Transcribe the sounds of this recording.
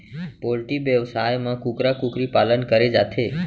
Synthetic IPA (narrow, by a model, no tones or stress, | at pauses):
polʈiʋjəʋsajmãkũkɾakũkɾipalənkəɾed͡ʒat̪ʰe